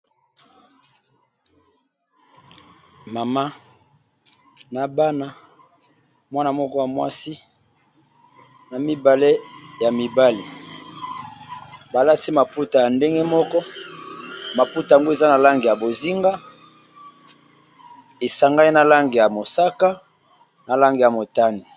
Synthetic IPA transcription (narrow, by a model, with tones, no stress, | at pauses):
ma˨ma˦ | na˨ba˦na˦ | mwa˦na˨mɔ˦kɔ˦ja˨mwa˦si˦ | na˨mi˦ba˨le˦ja˨mi˨ba˦li˨ | ba˨la˦ti˦ma˨pu˦ta˨ja˨nde˦ŋɡe˦mɔ˦kɔ˦ | ma˨pu˦ta˨ŋɡo˦e˨za˦na˨la˦ŋɡi˨ja˨bo˨zi˦ŋɡa˦ | e˨sa˨ŋɡa˦i˦na˨la˦ŋɡi˨ja˨mo˨sa˦ka˦ | na˨la˦ŋɡi˨ja˨mo˨ta˦ni˨